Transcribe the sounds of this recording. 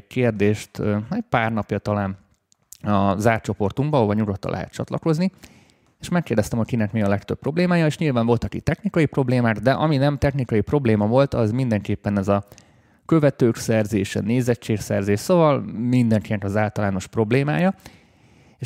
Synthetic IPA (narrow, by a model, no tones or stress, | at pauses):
keːrd̪eːʃt̪ɛc̚paːrnɒpjɒt̪ɒlaːn | ɒzaːrt͡ʃo̞po̞rt̪uŋbɒːɦovɒɲuɡo̞t̪ːɒ̰lʔɛ̰ɦɛ̰t̪t͡ʃɒ̰t̪lɒko̞zni | eʃmɛkːeːrd̪ɛst̪ɛmho̞cʲkinɛkmiːɒlɛkt̪øp̚ːro̞bleːmaːjɒeːʃɲilvaːɱvo̞lt̪ɒkit̪t̪ɛxnikɒjipro̞bleːmaːɡd̪ɛʔɒminɛmt̪ɛxnikɒjipro̞bleːmɒvo̞lt̪ɒzmind̪ɛŋkeːpːɛnɛzɒ | kø̞vɛt̪øːksɛrzeːʃɛ̰neːzɛt͡ʃːeːksɛrzeːʃso̞vɒlmind̪ɛŋkinɛkɒzaːlt̪ɒlaːno̞ʃpro̞bleːmaːjɒ | e